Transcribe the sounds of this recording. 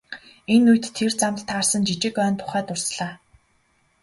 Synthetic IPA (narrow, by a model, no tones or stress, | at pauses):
enujt̪ʰːert͡sam̆ɬt̪ʰaːrsə̆nt͡ɕit͡ɕɪ̆kœːnt̪ʰʊ̥χæːt̪ʊrsɮaː